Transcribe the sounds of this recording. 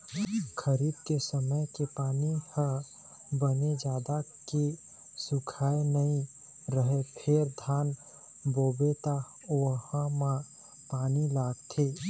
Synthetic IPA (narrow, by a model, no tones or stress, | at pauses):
kʰəɾiːd̪kesəməjkepaːnihə | bəned͡ʒaːd̪ake | sʊkʰaːenəĩ | ɾəɦepʰeɾd̪ʱaːn | boːbet̪a | ohãmã | paːnilaːɡt̪ʰe